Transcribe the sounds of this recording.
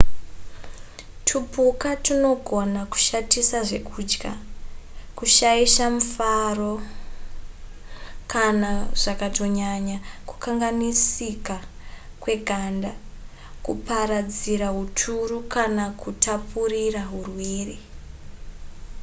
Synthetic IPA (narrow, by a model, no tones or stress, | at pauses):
tʰupukatino̞ɡʱo̞naku̥ʃatisaʐe̞kʰuːd͡ʒɡa̰ | kuʃaiʃamufaro̞ | kanaʐ̥akato̞ɲaɲaku̥kaŋɡanisikakwe̞ɡʱanda | kupaɾad͡ziɾaɦutʰuɾukanakutapuriraɦurweːri